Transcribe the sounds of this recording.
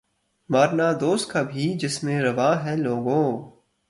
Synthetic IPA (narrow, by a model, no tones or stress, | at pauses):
maːɾnaːd̪oːst̪̚kaːbʱid͡ʒɪsmẽɾɐʋaːɦɛ̃loːɡõː